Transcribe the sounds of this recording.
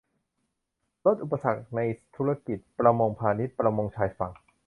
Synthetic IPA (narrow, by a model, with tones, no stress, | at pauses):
ɾo˦˥t̪̚ʔu˨˩pːa˧sa˨˩k̚na˧jt̪ʰu˦˥a˧ki˨˩t̪̚pɾa˧mo˧ŋpʰaː˧ni˦˥t̪̚pɾa˧mo˧ŋt͡ɕʰaː˧jfa˨˩ŋ